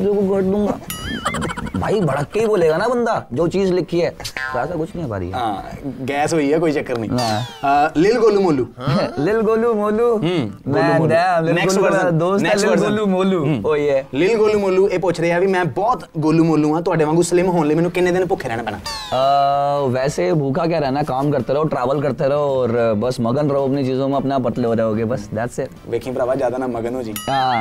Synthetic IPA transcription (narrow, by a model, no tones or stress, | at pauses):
d͡ʒoːɡuɡəʈd̪ʊ̃ːɡa̰ː | ba̰ːiːbəɽakːeiːboːleːɡaːnaːbənd̪aːd͡ʒoːt͡ʃiːzlɪkʰːiːɛːt̪asakʊt͡ʃʰnĩːɛːba̰ːɾḭːɦã̰ːɡɛːsɦoːiːɦɛːkoːiːt͡ʃəkːəɾnḭ̃ː | lɪlɡoːluːmoːluːlɪlɡoːluːmoːluːɦːmɡoːɛ̃ːuːoːɛːnɛːksbəɾəd̪oːsnɛːsəɾəluːmoːluːɦoːiːɛːlɪlɡoːluːmoːluːeːpʊt͡ʃʰɾəːaːʋimɛ̃ːbɔːt̪ɡoːluːmoːlũːãːt̪ʊaːɖeːʋãːɡũːsəlɪːmɦoːnləimɛːnũːkɪnẽːd̪ɪnpʊkʰːeːɾɛːɽ̃aːpɛːɽ̃ã̰ː | ʋɛːseːbʱuːkʰaːk̬ɛːɾɛːnãːkaːmkəɾt̪eːɾɛoːʈɾaːʋəlkəɾt̪eːɾɛooːɾbəsməɡənɾoːəpneːt͡ʃiːzõːmãːəpnaːpəʈleːɦoːɾeːɦoːɡeːbəsd̪ɛːt̪se | ʋeːkʰĩːpɾaːʋaːd͡ʒjaːd̪aːnaməɡənoːd͡ʒiːɦãː